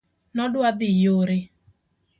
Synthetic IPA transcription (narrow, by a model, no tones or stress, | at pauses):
nɔdwad̪ɪjoɾɪ